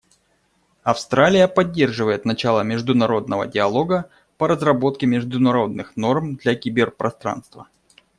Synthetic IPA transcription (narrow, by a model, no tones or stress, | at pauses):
ɐfst̪ɾalʲɪjəpɐdʲːe̞rʐɨvəjɪt̪nɐt͡ɕalˠəmʲɪʐd̪ʊnɐɾo̞d̪̚nəvə̰dʲɪɐlˠo̞ɡə | pəɾəzrɐbo̞t̪̚kʲɪmʲɪʐd̪ʊnɐɾo̞d̪̚nɨxno̞rmd̪lʲakʲɪbʲɪrpɾɐ̰st̪ɾa̰nst̪və̰